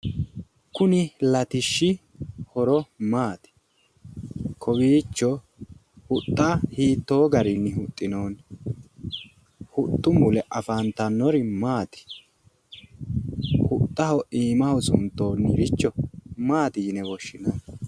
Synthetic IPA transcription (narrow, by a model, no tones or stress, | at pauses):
kʊnɪlɐt̪ɪʃːɪ | hɔɾɔmaːt̪ɪ̥ | kʰɔbiːt͡ʃːɔ | hʊt̪ʼːahiːt̪ːo̞ːɡɐɾɪnːɪhʊt̪ʼːɪnoːn | hʊt̪ʼːʊmʊlɛʔɐfaːnt̪ɐnːɔɾɪmaːt̪ɪ̥ | hʊt̪ʼːɐhɔʔiːmɐhɔsʊnt̪ːo̞ːnːɪɾɪt͡ʃːɔmaːt̪iːnɛwɔʃːɪnɐ